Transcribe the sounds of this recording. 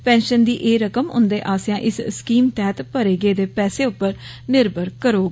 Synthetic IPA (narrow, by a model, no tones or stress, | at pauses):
pɛ̃ːnʃənd̪iːʔeːɾəkəmʊ̰nd̪eːʔaːsjãːʔɪsskiːmt̪ɛːt̪pəɾeːɡeːd̪eːpɛːseːʊpːəɾ | nɪɾbəɾkəɾoːɡ